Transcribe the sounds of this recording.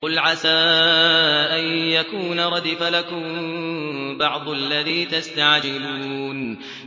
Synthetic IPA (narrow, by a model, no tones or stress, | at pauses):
ʊlʕasaː | ʔajjakuːnaɾˤɑd̪ɪfalakʊm | bɑʕd̪ˤʊʔalːaðiːt̪ast̪aʕd͡ʒɪluːn